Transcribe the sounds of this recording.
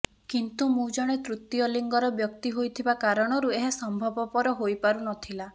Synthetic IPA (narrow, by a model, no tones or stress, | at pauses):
kint̪umũd͡ʒɔɽ̃et̪ɾut̪jɔliŋɡɔɾɔbjɔkt̪iɦojt̪ʰibakaɾɔɽ̃ɔɾueɦasɔmbʱɔbɔpɔɾɔɦojpaɾunɔt̪ʰila